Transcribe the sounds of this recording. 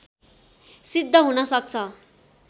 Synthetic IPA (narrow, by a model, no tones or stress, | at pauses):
sid̪ʱːʌɦunʌsʌk̚t͡sʰʌ